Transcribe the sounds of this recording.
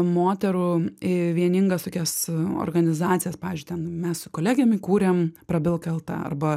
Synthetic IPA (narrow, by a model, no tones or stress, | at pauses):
moːt̪ʲɛɾuɪʋʲiɛnʲɪŋɡɐst̪oːkʲɛso̰rɡɐnʲɪzɑːt̪sʲɪjɛspɑːʋʲːzʲd͡ʒʲʊɪt̪ʲɛnmʲɛssʊkoːlʲæːɡʲɛmʲɪkuːɾʲempɾɐbʲɪlˠkɐlˠt̪ɐ̰ɐ̰rbɐ